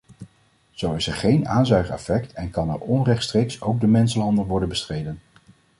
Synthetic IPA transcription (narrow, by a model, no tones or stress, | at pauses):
z̥owɪsɛɹχejnaːnzœɥχəɛ̰fɛktɛnkɑnɛ̰ɹɔnrɛχtstrejksowɡ̚dəmɛnsəlɑndəlʋɔɹdənbəstrejdən